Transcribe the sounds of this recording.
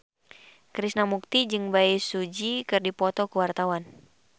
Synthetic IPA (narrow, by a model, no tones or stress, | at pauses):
kɾisnamuk̚t̪id͡ʒɨŋbaisud͡ʒikɨrdipɔt̪ɔkuwart̪awan